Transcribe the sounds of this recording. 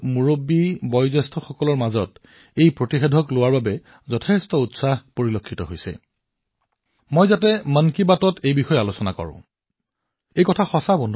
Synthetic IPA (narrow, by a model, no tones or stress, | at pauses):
muɹobːibɔjzɛstʰɔxɔkɔlɔɹmazɔt | ejpɹotixedʱɔklowaɹbabɛ | zɔtʰɛstɔutsaxpoɹilokʰːitɔɦojsɛ̰ | mojzatɛmankibatɔtejbixɔjɛalosɔnakɔ̰ɹʊ̰̃ | ejkɔtʰaxɔsabɔndʱ